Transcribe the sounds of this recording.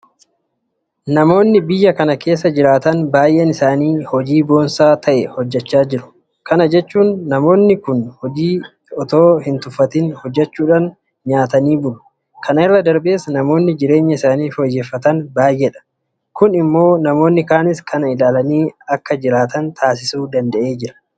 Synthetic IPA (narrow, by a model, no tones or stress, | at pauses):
nɐmo̞ːnːɪbɪjːɐkɐnɐke̞ːsːɐd͡ʒɪɾaːt̪ɐnbaːjʔenɪsaːniːhɔd͡ʒiːbo̞ːnsaːt̪ʰɐʔɛhɔd͡ʒːɛt͡ʃːaːd͡ʒɪɾʊ̥ | kɐnɐd͡ʒɛt͡ʃːuːnːɐmo̞ːnːɪkʊnhɔd͡ʒiː | ɔt̪o̞ːhɪnt̪ʊfɐt̪ɪnhɔd͡ʒːɛt͡ʃːuːᶑaːn | ɲaːt̪ɐniːbʊlʊ̥ | kʰɐnɪrːɐd̪ɐɾbe̞ːsnɐmo̞ːnːɪd͡ʒɪɾe̞ːɲːɐɪsaːniːfɔjːeːfːɐt̪ɐnbaːjʔɛᶑɐ̥ | kʊnɪmːo̞ːnɐmo̞ːnːɪkaːnɪskɐnɐɪlaːlɐniːɐkːɐd͡ʒɪɾaːt̪ɐnt̪ʰaːsɪsuːd̪ɐnd̪ɐʔe̞ːd͡ʒɪɾɐ̥